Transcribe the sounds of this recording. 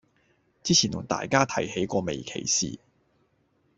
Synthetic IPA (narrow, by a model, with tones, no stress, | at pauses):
t͡siː˥t͡sʰiː˨˩nt̪ʰʊ˨˩ŋt̪a̰ː˨jkaː˥t̪ʰɐ˨˥jhe˨˥jkʷɔː˧me˨jkʰḛ˨˩jsḭː˨